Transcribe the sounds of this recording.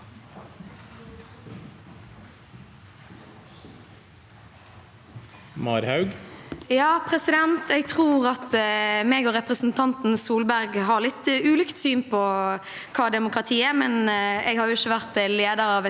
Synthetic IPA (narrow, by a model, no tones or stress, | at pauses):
mɑɾhɑʉɡjɑːpʰʁɛsɪd̪ɛnt̪ɛɡt̪ʰʁuːʁɑt̪mɛɡɔʁɛpʁɛsn̩t̪ʰɑnt̪n̩suːlbæɾɡɦɑʁlɪt̪ʉːlʏkt̪syːnpʰɔ | kʰɑːd̪ɛmʊkʁɑt̪ʰiːæmɛnɛɡhɑɾjʊɪçːəʋæʁt̪leːd̪əɾɑʋ